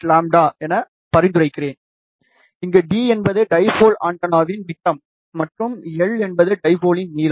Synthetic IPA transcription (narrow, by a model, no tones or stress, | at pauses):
laːmɖaːɛnːɐ | pɐɾɪnd̪ɯrɐɪkːɪreːn | ɪŋɡeːɖiːɛnbɐðɯɖɐɪfoːla̰ːɳʈɐnaːʋɪnmɪʈːɐmː | ɐʈrɯmɛɭɛnbɐðɯɖɐɪfoːlɪnniːl